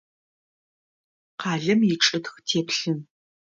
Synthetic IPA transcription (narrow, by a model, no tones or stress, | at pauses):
qʰɑːɮɨmjɪʈ͡ʂʼɐtxtʰeːpɬɨn